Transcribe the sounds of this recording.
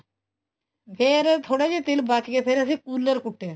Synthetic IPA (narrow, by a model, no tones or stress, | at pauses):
pʰeːɾt̪ʰoːɽad͡ʒet̪ɪlbat͡ʃkepʰeɾəsikuːləɾkʊʈːe